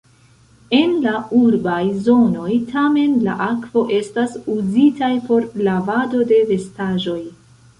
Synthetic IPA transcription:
e̞nlauɾbajzo̞no̞jtʰame̞nla̰ʔakv̥o̞ʔe̞stasuzitajpo̞ɾlavado̞de̞ve̞staʒo̞j

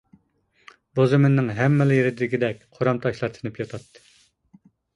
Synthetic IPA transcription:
bozɨmɪnːɪŋɦɛmːɪlɪjeɾɪd̪ɪɾɪɡʲid̪ɛk̚ʲqʰoɾɑmt̪ʰɑʃlˠɑɾt̪ʰɨ̥nɨpjɑt̪ʰɑt̪ʰːɨ̥

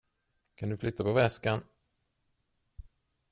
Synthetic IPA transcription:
kʰand̪ɵflʏt̪ʰːapɔvɛskan

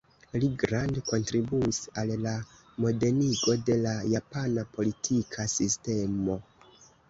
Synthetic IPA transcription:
liɡɾandko̞ntɾibuisalla | mo̞de̞niɡo̞de̞lajapanapo̞litʰikʰasiste̞mo̞

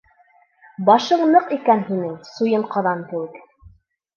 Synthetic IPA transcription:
bɑʃɤɴnɤqikænhinɘŋsujɤɴqɑðɑnk̪ɘ̆wɘk

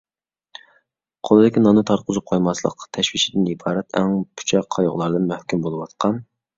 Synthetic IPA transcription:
qʰolˠɨd̪ɪkʲɪnɑnɨt̪ʰɑɾqʰʊzup̚qʰojmɑslˠə̰qt̪ʰɛʃwiʃid̪ɪnibɑːɾɛt̪ʰɛŋpʰu̥t͡ʃʰɑqʰːɑjʊ̰ʁlˠɑɾd̪ɨnmœhkʲymbolˠɨwɑt̪qʰɑn

